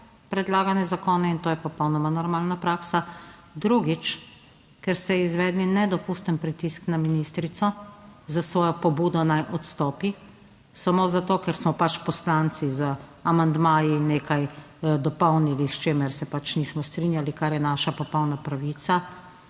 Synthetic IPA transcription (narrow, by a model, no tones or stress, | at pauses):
pɾɛd̪laːɡanjɛzakoːnɛint̪oːjɛpɔpɔwnɔmanɔɾmaːlnapɾaːksa | d̪ɾuɡit͡ʃ | kɛɾst̪ɛizʋɛːd̪ninɛd̪ɔpust̪ənpɾit̪isknaminist̪ɾit̪sɔzasʋɔːjɔpɔbuːd̪ɔnajʔɔt̪st̪ɔːpi | samoːzat̪oːkɛɾsmɔpat͡ʃpɔslant̪sizəamand̪maːjineːkaj | d̪ɔpɔwniliʃt͡ʃeːmɛɾsɛpat͡ʃnismɔst̪ɾinjalikaɾjɛnaʃapɔpɔwnapɾaʋit̪sa